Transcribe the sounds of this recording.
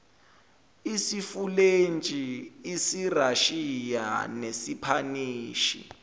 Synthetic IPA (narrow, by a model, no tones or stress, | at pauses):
isifulent͡ʃʼiːsiraʃija̰nesipʰaniːʃḭ